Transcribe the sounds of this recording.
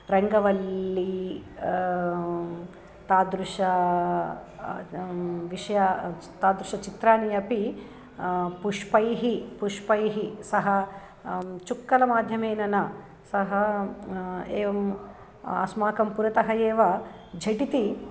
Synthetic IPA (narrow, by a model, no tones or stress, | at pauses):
ɾɐŋɡɐʋɐlːi | t̪aːd̪ɾuʂɐ | ʋiʂɐjɐt̪aːd̪ɾuʃɐt͡ʃit̪ɾaːnijɐpi | puʂpɐjɦipuʂpɐjɦisɐɦɐ | t͡ʃukːɐlɐmaːd̪ʱjɐmeːnɐnɐ | sɐɦɐ | eːʋɐm | ɐ̰smaːkɐmpuɾɐt̪ɐɦɐjeːʋɐ | d͡ʒʱɐʈit̪i